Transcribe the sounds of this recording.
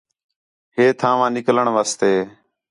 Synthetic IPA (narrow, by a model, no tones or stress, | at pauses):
ɦeːt̪ʰãːʋãːnɪkləɳʋaːst̪eː